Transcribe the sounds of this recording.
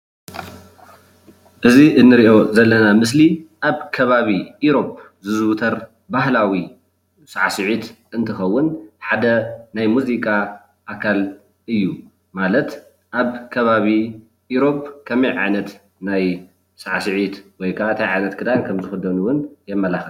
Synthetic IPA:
ʔɨziʔɨnːɨɾiʔo̞zɐlːɐnamɨsliʔaβkʰɐβaβiiɾo̞p̚ | zɨzɨwt̪ʰɐɾ | bahlawi | saʕasɨʕit̪ʔɨnt̪ʰɨxɐwːʊnħad̪ɐnajmuzikʼa | ʔakʰal | ɨjːu | malɐt̪ | ʔaβkʰɐβaβi | uɾo̞p̚kʰɐmɐjʕa̰jnɐt̪ | naj | saʕasɨʕit̪wɔjkʰaaɨt̪ʰajʕajnɐt̪kʰɨd̪ajkʰɐmzɨxɨd̪ɐnuwʊnjɛmːɐlaxɐl

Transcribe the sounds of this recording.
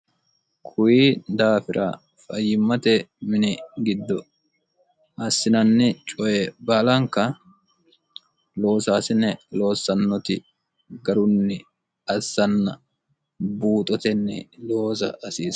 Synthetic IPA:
kʰʊjiːd̪aːfɪɾʔa̰ː | fɐjːɪmːɐt̪ɛmɪnɪɡɪd̪ːɔ | ʔɐsːɪnɐnːɛt͡ʃʼɔjɛbaːlɐŋkːɐ | lo̞ːsaːsɪnːɛlo̞ːsːɐnːɔt̪ɪ | ɡɐɾʊnːɪ | ɐsːɐnːɐ | buːt̪ʼɔt̪ɛnːɛ̰lo̞ːsɐ̰ɐsiːs

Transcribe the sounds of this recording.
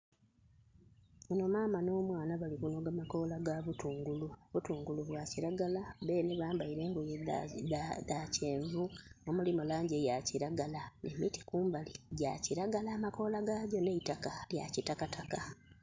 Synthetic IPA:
uno̞maːmano̞ːmwaːnaβalikuno̞ɡamako̞ːlaɡaβutuːŋɡuluβutuːŋɡuluβwaciɾaɡalaβe̞ːneβaːmbaiɾe̞ːŋɡoje | ðace̞ːɱvuomulimolaːɲɟejaciɾaɡalanemiti̥kuːmbaliɟaciɾaɡalaːmako̞ːlaɡaːɟo̞neitakalja̰citakatʰaka

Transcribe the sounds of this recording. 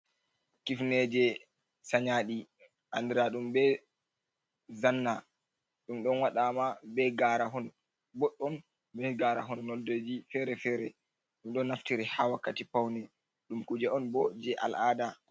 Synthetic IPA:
kifnɛd͡ʒɛ | saɲaɗi | ʔandɛɾaɗumbɛ | zanːa | ɗumɗɔnwaɗamabɛɡaɾaɦɔn | bɔɗːɔn | bɛɡaɾaɦɔnːɔlded͡ʒifɛɾɛfɛːɾɛ | ɗumɗɔnːaftiɾɛhawakːatipawnɛ | ɗumkud͡ʒɛɔnbɔd͡ʒɛʔa̰lʔaːda

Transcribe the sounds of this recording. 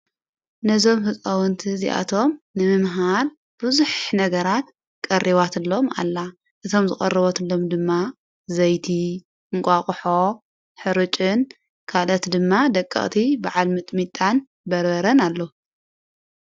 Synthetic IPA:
nɐzo̞mhɨkʼɐwɨnt̪ʰɨzḭʔa̰t̪ʰo̞mnɨmɨmɦal | b̥ɨzuħnɐɡɐɾat̪ | kʼɐrʔiβat̪ɨlːo̞ma̰lːa | ʔɨt̪ʰo̞mzɨχʼɐrːɨβot̪ɨlːo̞md̪ɨmːa | zɐjt̪ʰi | ʔɨŋkʷʼakʼħo | ħɨɾɨt͡ʃʼɨn | kʰalɐt̪d̪ɨmːad̪ɐkʼːɐ̰χʼt̪ʰibaʕalmɨt̪ʼmit̪ʼːan | bɐɾβɐɾɐnalːo

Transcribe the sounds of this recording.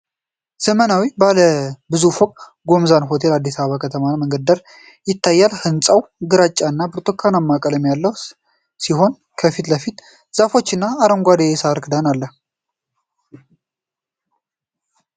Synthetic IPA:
z̥əmənawibaləbɨzufokʼ | ɡo̞mzanɦo̞t̪ʰe̞lad̪ːisaβəβakʰət̪ʰəmanməŋɡəd̪əɾ | jɪt̪ʰːajːalhɨnsʼəwɡɨɾat͡ʃʼːanːabɨɾt̪ʰʼokʰːanamːakʼələmjalːəw | siɦo̞n | kʰəfit̪ləfit̪ | z̥afo̞t͡ʃːɨnːaːɾəŋɡʷad̪ejesaɾkɨd̪analːəh

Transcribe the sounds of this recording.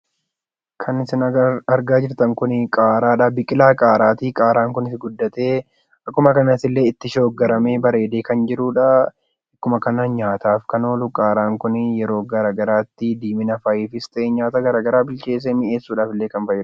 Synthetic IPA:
kʰɐnɪsɪnɐɐɾɡaːd͡ʒɪɾt̪ɐŋkʊnɪkʼaːɾaːᶑaːbɪkʼɪlaːkʼaːɾaːt̪iːkʼaːɾaːŋkʊnɪsɡʊd̪ːɐt̪e̞ː | ɐkːʊmɐkɐnɐsɪlːe̞ːɪt̪ːɪʃo̞ːɡɐɾɐmeːbɐɾe̞ːd̪eːkɐnd͡ʒɪɾuːᶑɐ | ɐkːʊmɐkɐnɐɲaːt̪aːfkɐno̞ːlʊkʼaːɾaːŋkʊnɪjɛɾo̞ːɡɐɾaːɡɐɾaːt̪ːɪd̪iːmɪnɐfɐjiːfɪst̪ʼeːɲaːt̪aɡɐɾaːɡɐɾaːbɪlt͡ʃe̞ːs̬eːmɪʔeːsːuːᶑaːfɪlːe̞ːkɐnfɐjɪɾ

